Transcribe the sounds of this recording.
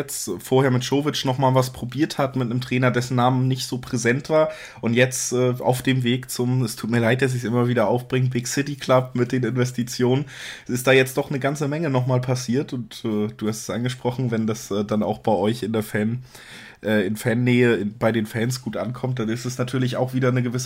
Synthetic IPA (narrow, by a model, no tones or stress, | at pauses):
ɛt͡sfoːɐheːɐmɪtʃoːvɪt͡ʃnɔχmaːlvaspʁ̥obiːɐthatmɪtnəmtʁ̥ɛːnɐdɛsn̩ːaːmənnɪçtz̥oːpʁ̥ezɛntv̥aːɐ | ʔʊntjɛt͡stʔɛːa̰ʊfd̥eːmveːkt͡sʊmɛstʰuːt̚miːɐlaɪt̚d̥as̬ɪçsʔɪmɐviːdɐʔaʊfb̥ʁɪŋbɪksɪtikʰl̥ap̚mɪt̚d̥eːnɪnvɛstit͡sjoːnənʔɪstd̥aːjɛt͡st̚d̥ɔχnəɡant͡səmɛŋənɔχmaːlpʰasiːɐtʊntɛːd̥uːhastɛ̥sʔanɡəʃpʁ̥ɔχn̩vɛndasʔɛːdana̰ʊxb̥aɪʔɔʏçɪndeːɐfɛn | ʔɛːɪnfɛɐnːɛːəɪb̥aɪdeːnfɛːnsɡ̥uːtʔa̰nkʰɔmt̚d̥anɪstɛsnatʰyːɐlɪçaʊxv̥iːdɐnəɡəvɪs